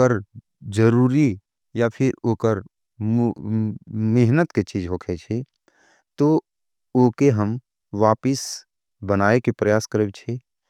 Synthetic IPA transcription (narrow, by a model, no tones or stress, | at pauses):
əɾ | d͡ʒəɾuːɾi | japʰɪɾoːkəɾ | meɦnət̪ket͡ʃiːd͡ʒɦoːkʰet͡ʃʰe | t̪o | oːkeɦəm | ʋaːpɪs | bənaːekepɾəjaːskəɾeːbt͡ʃʰeː